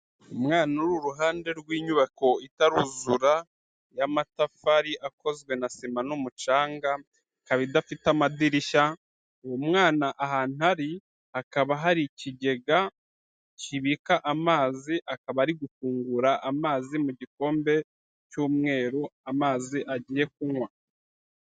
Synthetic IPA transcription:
umŋaːnuɾuɾuɦaːnde̞ɾɡwiːɲuβako̞itaɾuzuɾa | jamatafaɾiʔako̞zɡwe̞nasimanumut͡ʃaːŋɡa | kaβidafitamadiɾiʃa | womŋaːnaʔaɦaːn̥haɾi | akaβaɦaɾiciɟe̞ɡa | ciβikaʔamaːziʔakaβaɾiɡufuːŋɡuɾaʔamaːzimuɟiko̞ːmbe̞ | cuːmŋe̞ːɾuamaːziʔaɟiːje̞k̚uŋwa

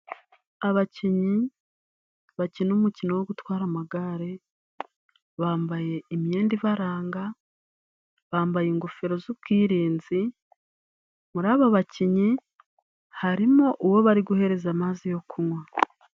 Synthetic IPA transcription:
aβaciɲi | βacinumucino̞woɡutwaːɾamaɡaɾe̞ | βaːmbaje̞imje̞ːndivaɾaːŋɡa | βaːmbajiŋɡofeɾo̞zuβb̚ɡwiːɾiːnzi | muɾaːβaβaciɲi | haɾimo̞ʔuwo̞βaɾiɡuhe̞ɾe̞zamaːzijo̞kunwa

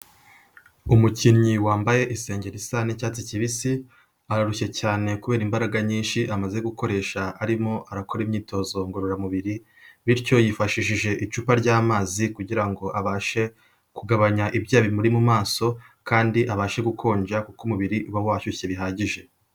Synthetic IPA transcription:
umuciɲiwaːmbaje̞ʔise̞ːɲɟe̞ɾisanecaːt͡siciβisi | aɾaɾuçe̞caːne̞kuβe̞ːɾimbaɾaɡaɲiːnʃiʔamaze̞ɡuko̞ɾe̞ːʃaʔaɾimo̞ʔaɾako̞ɾimɲiːto̞ːzo̞ŋɡo̞ɾoɾamuβiɾi | βiɾco̞jifaʃiʃiʒe̞ʔit͡ʃuːpaɾɟaːmaːzikuɟiɾaŋɡo̞ʔaβaːʃe̞ | kuɡaβaɲaʔibjaːβimuɾimumaːso̞ | kaːndiʔaβaːʃe̞ɡukʰo̞ːɲd͡ʒakukumuβiɾiʔuβawaçueβiɦaːɟiʒe̞

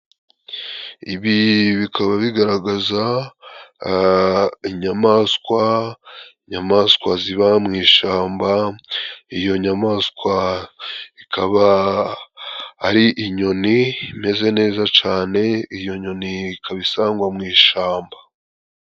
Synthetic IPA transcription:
iβiβikʰaβaβiɡaɾaɡaza | iɲamaskwa | iɲamaːskwaziβamŋiːʃaːmba | ijo̞ɲamaːskwa | ikʰaβa | ɾiʔiɲo̞niime̞ze̞ne̞ːzat͡ʃaːne̞ijo̞ɲo̞nikaβisaːŋɡwamŋiːʃaːmba

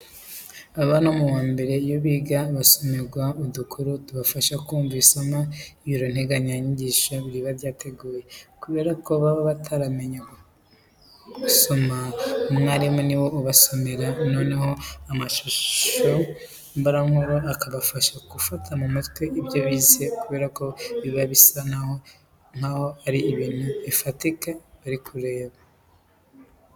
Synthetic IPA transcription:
aβano̞muwaːmbe̞ɾe̞joβiːɡaβaso̞me̞ɾɡwaudukʰuɾutuβafaʃakuːɱviːsamaijiɾon̥he̞ɡaɲaɲiɟiːʃaβiɾiβaɾɟaːtʰe̞ɡuːje̞kuβe̞ːɾakoβaβaβatʰaɾame̞ɲa | uso̞maumŋaːɾimoniwo̞uβaso̞me̞ɾano̞ːne̞ho̞amaʃuʃo̞ | mbaɾaŋoɾoakaβafaʃaɡufatʰamumitkweʔibɟoβize̞kuβe̞ːɾako̞βiβaβisanah | ŋ̥aho̞aɾiːβiːnuifatikaβaɾikʰuɾe̞ːβa

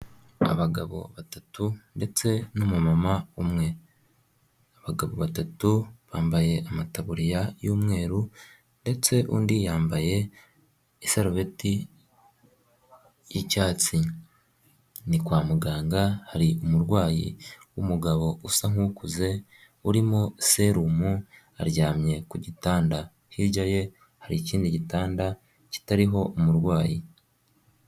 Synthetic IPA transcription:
a̰βaɡa̰βo̞̰βatatunde̞t͡se̞numumamaumŋe̞ | aβaɡaβo̞βatatuβaːmbaje̞ʔamataβuɾijajuːmŋe̞ːɾu | nde̞t͡se̞ʔuːndijaːmbaje̞ː | saɾuβeti | jicaːt͡si | nikwaːmuɡaːŋɡahaɾiʔumuɾɡwaːjḭwṵmuɡaβo̞usaŋ̥ukuze̞ | uɾimose̞ɾumu | a̰ɾɟaːmɲe̞kuɟitaːnda | hiɾɟaje̞ | haɾiciːndiɟitaːnda | ci̥taɾiɦo̞ʔumuɾɡwaːji

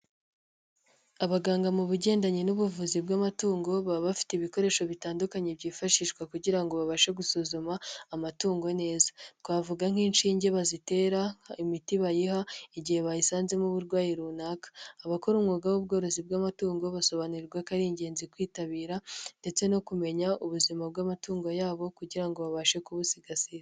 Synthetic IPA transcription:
aβaɡaːŋɡamuβuɟe̞ːndaɲenuβuvuzibɡamatuːŋɡo̞βaβafi̥teiβiko̞ɾe̞ːʃo̞βitaːndukaɲe̞bɟiːfaʃiːʃkwakuɟiɾaŋɡo̞βaβaʃeɡusuzumaːmatuːŋɡo̞ne̞ːzakwaːvuɡaŋ̥hiːnʃiːɲɟe̞βazite̞ːɾaimitiβajihaiɟihe̞βaisaːnze̞muβuɾɡwaːjiɾunaːkḁːβako̞ɾumŋuɡawub̚ɡo̞ːɾozibɡamatuːŋɡo̞βaso̞βanuɾiɾɡwakaɾiːɲɟe̞ːnzikwiːtaβiːɾande̞t͡se̞no̞kume̞ɲauβuzimabɡaːmatuːŋɡo̞jaːβo̞kuɟiɾaŋɡo̞βaβaʃe̞kuβusiɡasiɾ

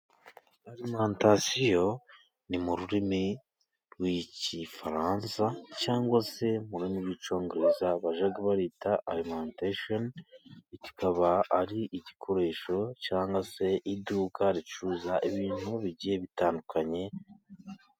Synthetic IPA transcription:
aɾimantasijo̞ | nimuɾuɾimi | ɾwicifaɾaːnsacaːŋɡwase̞muɾuɾimiɾwit͡ʃo̞ːŋɡoɾezaβaʒaɡaβaɾiːtaalimantaʃonici̥kaβaːɾiʔiɟikʰo̞ɾe̞ːʃo̞caːŋɡase̞ʔiduːkaɾit͡ʃuːzaʔiβiːnhuβiɟije̞βitaːndukʰaɲe̞

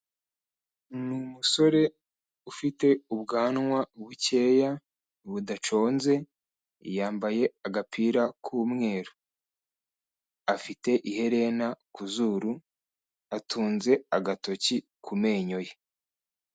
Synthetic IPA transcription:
numuso̞ɾe̞ | ufite̞uβɡaːnŋwaβuce̞ːja | βudat͡ʃo̞ːnze̞ | jaːmbaje̞aɡapʰiːɾakʰuːmŋe̞ːɾo̥ | afite̞ʔihe̞ɾe̞nakuzuːɾu | atʰuːnze̞aɡatocikʰume̞ːɲo̞je

